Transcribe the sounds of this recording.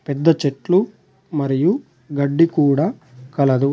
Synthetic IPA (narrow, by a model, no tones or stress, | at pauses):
pɛd̪ːɐt͡ʃeʈlu | mɐɾiju | ɡɐɖːikuːɽaːkɐlɐd̪u